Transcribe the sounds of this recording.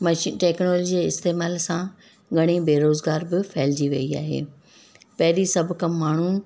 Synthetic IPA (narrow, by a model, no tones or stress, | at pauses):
mɐʃʈeːknoːld͡ʑiɪst̪eːmaːlsã | ɡʱɐɽ̃ibeːɾoːzɡaːɾbɪfʰɛːld͡ʑiʋɐia̰ːɦḛː | pɐɦɪɾisɐbʱkɐmːaːɳ̤u